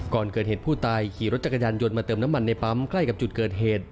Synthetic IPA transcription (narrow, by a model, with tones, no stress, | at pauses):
kɔː˨˩nkɤː˨˩t̪̚heː˨˩t̪pʰuː˥˩t̪aː˧jkʰiː˨˦ɾo˦˥t̪̚t͡ɕa˨˩kːa˧jaː˧njo˧nmaː˧t̪ɤː˧mnaː˦˥ma˧nːa˧jpa˦˥mkʰla˥˩jka˨˩p̚t͡ɕu˨˩t̪̚kɤː˨˩t̪̚ɦeː˨˩t̪̚